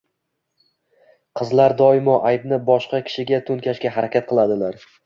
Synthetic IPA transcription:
qʰɨzlaɾd̪ɒɪmɒʔajbnɪbɒʃqɑkʲʰɪ̥ʃɪɡʲat̪ʰʊnkʲaʃkʲaɦaɾakʲat̪̚qʰɨlˠad̪ɪlaɾ

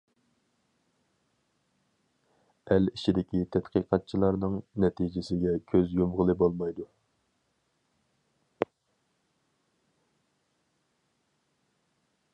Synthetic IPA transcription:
ɛlit͡ʃʰid̪ɪkʲʰit̪ʰɛt̪qʰəqʰɑt̪̚t͡ʃʰilˠɑɾnɨŋnɛt̪ʰid͡ʒɪsɪɡʲɛkʲʰøzjomʁəlˠɨbolˠmɑjd̪u

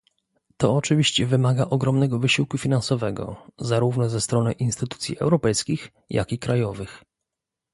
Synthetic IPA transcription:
t̪ɔːt͡ʂɘvʲiɕt͡ɕɛvɘmaɡaʔɔɡɾɔmnɛɡɔvɘɕiwkufʲinansɔvɛɡɔ̰zaɾuvnɔzɛst̪ɾɔnɘʔinst̪ɘt̪ut̪sʲjḭɛ̰wɾɔpɛjskʲix | jʔa̰kʲikɾajɔvɘx

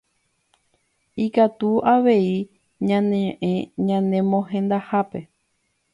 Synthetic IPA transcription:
ikat̪uaʋe̞i | ɲãnẽʔẽɲãnẽ̞mõɦẽ̞nd̪ahape̞

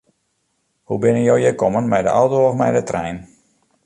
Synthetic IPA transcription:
hubɪnənjowjəkɔmənmɛjdə̰ʔawtowɔfmɛjdətrɛjn

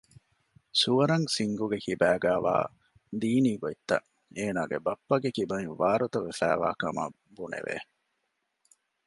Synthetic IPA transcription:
suʋɐɾɐŋsiŋɡuɡekibæːɡæːʋa̰ː | d̪iːniːɡoit̪ːɐ̰ʔ | eːnaːɡḛbɐpːɐɡekibɐiʋaːɾut̪ɐʋefæ̰ːʋa̰ːkɐmɐ̰ | bunḛʋḛ

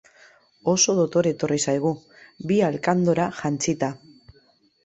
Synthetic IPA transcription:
o̞so̞ðot̪o̞ɾe̞t̪o̞risajɣ̞u | bialkand̪o̞ɾaʝant͡sit̪a

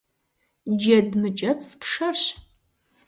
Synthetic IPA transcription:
d͡ʒɐdmɨt͡ʃʼɐt͡sʰʼpʂɐrɕ

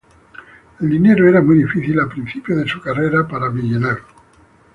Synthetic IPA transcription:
eld̪ine̞ɾoeɾamujðifiθilalpɾin̟θipjoðesukareɾapaɾaβiʎonaɾo

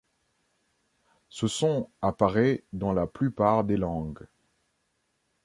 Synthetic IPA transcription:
səsɔ̃apaʁɛd̪ɑ̃laplypaʁd̪elɑ̃ɡ

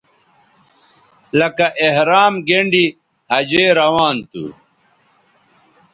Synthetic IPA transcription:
lɐkɐʔehɾaːmɡeɳɖi | hɐd͡ʑeːɾɐwaːnt̪ṵ

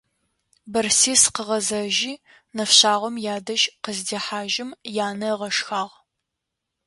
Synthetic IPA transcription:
bɐrsiːsqəʁɐzɐʒiː | nɐfɕaːʁʷɔmjaːdɐʒqəzdeːħaːʒɪmjaːnɐʁɐʃxaːʁ

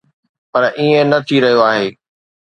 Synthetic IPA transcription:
pɐɾʔiẽnɐt̪ʰiɾɐɦijoaːɦeː

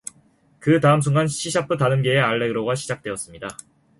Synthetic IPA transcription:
kɯtaɯmsʰuŋɡanɕʰiɕʰapʰɯtanɯmɡe̞ːaɭːe̞ɡɯɾoɡaɕʰid͡ʑak̚t͈we̞ʌs͈ɯmɲida

